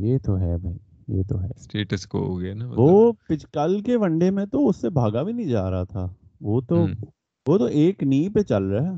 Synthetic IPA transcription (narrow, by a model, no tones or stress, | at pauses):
jeːt̪oɦɛːbʱɐi | jḛːt̪o̰ɦɛːsʈeːʈəsko̰o̰ɡenaʋoːpɪt͡ʃkəlkeʋɐ̃ɳɖemẽt̪oʊsːebʱaːɡabʱinɐɦĩd͡ʒa̰ːɾɐɦat̪ʰa̰ː | ʋot̪o | ʋoːt̪oʔeːkniːpet͡ʃɐlɾɐɦe